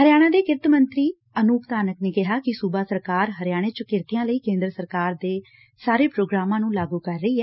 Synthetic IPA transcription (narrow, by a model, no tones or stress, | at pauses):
ɦəɾɪjaːɽ̃ãːd̪eːkɪɾt̪mənt̪ɾiː | ənuːkt̪aːnəkneːkɪɦaːkɪsubaːsəɾkaːɾɦəɾɪjaːɽ̃eːt͡ʃəkɪɾt̪ɪjãːləiːkẽːnd̪ɾəsəɾkaːɾd̪eː | saːɾeːpɾoːɡɾaːmãːnũːlaːɡuːkəɾːəiːɦɛː